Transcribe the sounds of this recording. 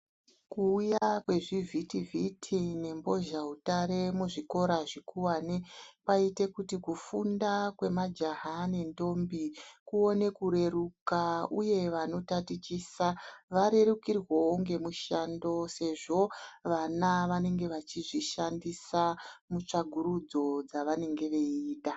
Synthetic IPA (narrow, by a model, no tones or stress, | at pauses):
kuːjakwe̞ʐivʱitivʱitʰine̞mbo̞ʒaɦutaɾe̞muʐiko̞ɾaʐikuwanepaite̞kutikufundakwe̞mad͡ʒaɦane̞ndo̞mbikuo̞ne̞kuɾe̞rukauje̞ʋano̞tatit͡ʃiːsaʋaɾe̞rukirwooŋɡe̞muʃando̞se̞ʐo̞ʋanaʋane̞ŋɡe̞ʋat͡ʃiʐiʃandisamut͡ʂaɡʱuɾud͡zo̞d͡zaʋane̞ŋɡe̞ʋe̞iːɗa